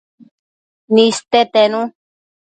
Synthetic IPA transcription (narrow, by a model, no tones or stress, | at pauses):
nĩst̪et̪enũ